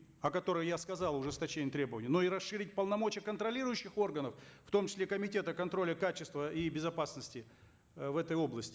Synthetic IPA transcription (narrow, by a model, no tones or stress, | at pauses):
ɐkɐt̪o̞ɾɨxjaskɐzɑlˠʊʐɨst̪ɐt͡ɕenʲɪət̪ɾʲebəvənʲɪjənoiɾɐsʂːɨɾʲɪtʲpəlˠnɐmo̞t͡ɕɪjəkənt̪ɾɐlʲiɾʊjʉɕːɪxo̞rɡənəfft̪o̞mt͡ɕɪ̥sʲlʲekəmʲɪtʲe̞t̪əkɐnt̪ɾo̞lʲɪkat͡ɕɪst̪vəibʲɪzɐpasnəsʲtʲɪ | vɛt̪əjo̞blˠəsʲtʲɪ